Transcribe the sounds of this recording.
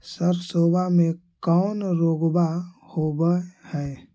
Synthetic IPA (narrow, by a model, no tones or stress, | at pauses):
səɾsoːbamẽkɔːnɾoːɡbahoːbəhɛː